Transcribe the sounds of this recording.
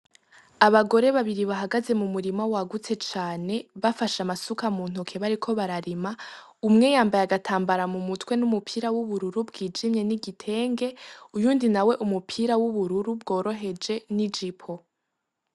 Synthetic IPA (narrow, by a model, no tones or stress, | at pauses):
aβaɡo̞ɾe̞βaβiɾiβaɦaɡaze̞mumuɾimawaɡut͡se̞t͡ʃaːne̞βafaʃamasukamuːn̥ukʰeβaɾikʰo̞βaɾaɾima | umŋe̞jaːmbajaɡatʰaːmbaɾamumutwe̞numupʰiːɾawuβuɾuɾubɡiːd͡ʒimɲe̞niɡitʰe̞ːŋɡe̞ujuːndinawe̞ʔumupʰiːɾawuβuɾuɾubɡo̞ːɾo̞ɦe̞d͡ʒe̞nid͡ʒipʰo